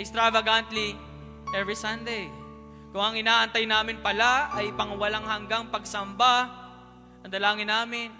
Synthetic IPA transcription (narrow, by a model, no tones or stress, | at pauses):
ɛkst̪ɾavɐɡant̪li | ʔɛvɹisãnd̪ej | kʊŋɐŋɪnaːʔɐnt̪ɐjnaːmɪnpɐlaɐjpɐŋwɐlaŋhɐŋɡaŋpɐɡ̚sɐmba | ɐŋd̪ɐlaːŋɪnːaːmɪn